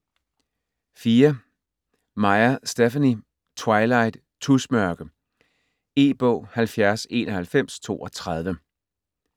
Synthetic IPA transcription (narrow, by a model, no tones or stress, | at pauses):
fiːɐ | mɑ̈ɪɐsd̥efæni | t͡sʰwɑ̈ɪlɑ̈ɪd̥ | t͡sʰusmɶɐɡ̥ə | e̝̰ːb̥ɔ̰̽ʊ̰hælfjæɐse̝ːnɒ̽hælfem̰st͡sʰo̝̰ːɒ̽t͡sʰʁɑð̞ˠʋə